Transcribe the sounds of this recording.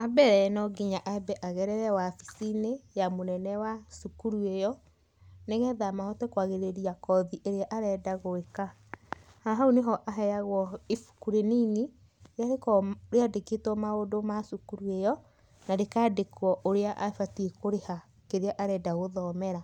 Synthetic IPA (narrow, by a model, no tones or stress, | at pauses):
abɛɾɛɛnɔɡiɲaʔaɛbɛʔaɣɛɾɛɾɛwafisinejamonɛnɛwasukuɾuejɔ | neɣɛðamahɔtɛkwaɣeɾeɾiakɔðiʔeɾeaʔaɾɛdaɣoeka | haɦaoneɦɔʔaɦɛjaɣwɔefu̥kuɾenini | ɾeaɾekɔɾeadeketwɔmaodomasukuɾuejɔ | naɾekaːdekwɔʔoɾeaʔafatiekoɾeha | keɾeaʔaɾɛdaɣoðɔmɛɾa